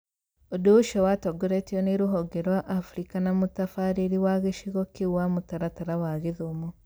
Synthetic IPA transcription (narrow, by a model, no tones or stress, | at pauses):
odoʃɔwatɔɡoɾetiɔneɾuɦɔɡeɾwaʔːfuɾikanamutafaɾeɾiwaɣeʃiɣɔkiwamutaɾataɾawaɣeðomo